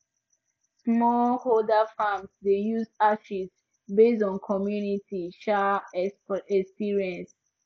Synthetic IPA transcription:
smɔlholdafãmsdejusaʃis | bestɔ̃nkʰɔmjunitiʃa | ɛkspiɹiɛ̃ns

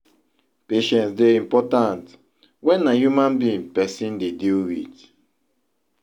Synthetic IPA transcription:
peʃɛ̃nsdeĩmpɔtãnt | wɛ̃nːãhjumãnbĩnpɛsĩndediwḭt

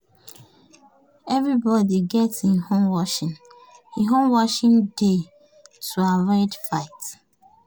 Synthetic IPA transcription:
ɛvɹibɔdiɡɛtĩnhõmwɔʃĩn | hiɦõmwɔʃĩnde | tʰuaɹaɪdfaɪt

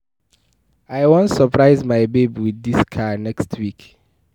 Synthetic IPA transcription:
ajwɔ̃nsəpʰɹaɪzmajbebiwidiskʰanɛkstʰwik

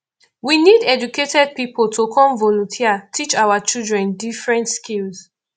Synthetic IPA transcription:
winidɛd͡ʒuketɛd̚pipoltʰokʰɔ̃mvɔlɔ̃ntʰiatʰit͡ʃawat͡ʃildɹɛ̃ndifɹɛ̃ntskilz

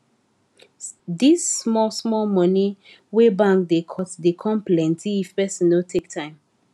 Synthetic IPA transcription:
disːmɔlsmɔlmɔni | webãŋkdekʰɔtdekʰɔ̃nplɛ̃ntiːfpɛsĩnotʰek̚tʰãɪ̃m

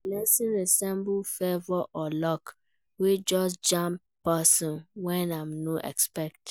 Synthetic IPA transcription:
lɛsĩnɾesɛ̃mbʊfɛvɔʔɔlɔk | wed͡ʒɔs̬d͡ʒãmp | pasɔ̃nwɛnamnoʔɛ̰kspɛk̚t

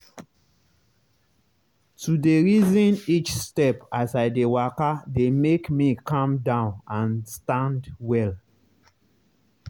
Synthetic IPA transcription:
tudeɹizɔ̃nit͡ʃstɛpasaɪdewakademekmikãmdãʊ̃nãnstãndwɛl

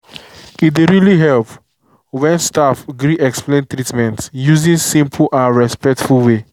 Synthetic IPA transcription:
itdeɹiliɦɛlp | wɛ̃nstafɡɾiʔɛksplẽntɹitmɛ̃ntsjuzĩnsĩmpʰl̩ʔãnɹɛspɛk̚tfulwe

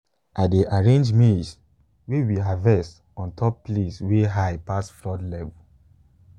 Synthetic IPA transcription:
ʔaɪdeʔaɹẽnd͡ʒmis | wewiavɛst | ɔ̃ntʰɔpːlesweɦaɪpasfɹɔdlɛvu

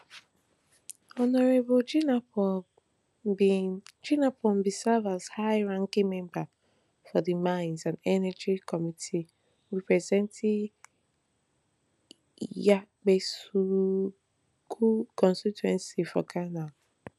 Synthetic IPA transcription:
ɔnɔɾebɔd͡ʒinɔ | d͡ʒinapʰɔm̩bisɛvashaɪɹãŋkĩŋmɛ̃mba | fɔdɨmãɪ̃nzãnɛnɛd͡ʒikʰɔmitʰi | wipɹɛzɛ̃ntʰi | jak͡pesu | kʰukɔ̃nstituɛ̃nsifɔ̰kʰanal

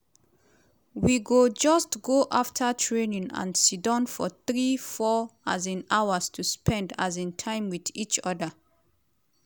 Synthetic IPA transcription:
wiɡod͡ʒʌstɡoʔaftʰətʰɹẽnĩŋã̰nsidɔ̃nfɔ̰θɹifɔazĩnawəstʰuspʰɛ̃nda̰zĩntʰãɪ̃mwiðit͡ʃɔdə

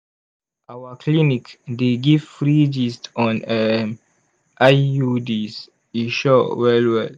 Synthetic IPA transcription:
ʔawakʰlinikdeɡivfɹid͡ʒistɔ̃nɛm | ʔajudis | iʃɔwɛlwɛl

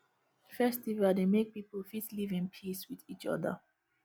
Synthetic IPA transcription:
fɛstivaldemek̚pipəlfitlivĩnpʰiswiðit͡ʃʌ̰ðə̰

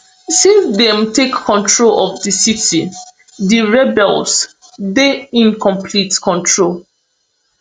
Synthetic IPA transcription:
sĩnsdɛ̃mtekʰːɔ̃ntɹolɔvdisiti | diɹɛbɛlˠs | deĩnkʰɔ̃mpʰlitkʰɔ̃ntʰɹol

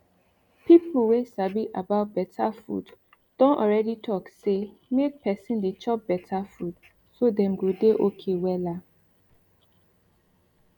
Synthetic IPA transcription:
pipul̩wesabiʔa̰baʊt̚bɛtʰafṵd | d̥ɔ̃nɔ̰ɹɛditʰɔkse | mek̚pʰɛsĩndet͡ʃɔp̚b̥ɛtʰafud | sodɛ̃mɡodeʔokʰewɛla

